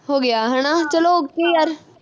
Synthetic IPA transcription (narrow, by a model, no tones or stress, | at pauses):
ɦoːɡɪaːɦɛːɽ̃aːt͡ʃəloːkeːjaːɾ